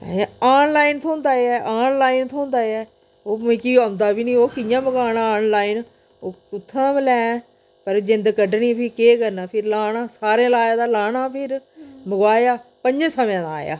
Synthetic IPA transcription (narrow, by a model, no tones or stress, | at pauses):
aːnlaːint̪ʰõːnd̪aːeɛːʔaːnlaːiːnt̪ʰoːnd̪aːeɛː | oːmẽkiːəmd̪aːbiːnĩːoːkɪjãːməɡaːnãːnlaːiːn | oːʊt̪ʰːãːaːməlɛ̃ː | pəɾd͡ʒɪ̃nd̪kəɖnĩːpʰiːkeːkəɾnaːpʰɪɾlaːnãːsaːɾẽːlaːjaːd̪aːlaːnaːpʰɪɾməɡwaːjaːpəɲd͡ʒẽːsəmãːd̪aaːja̰ː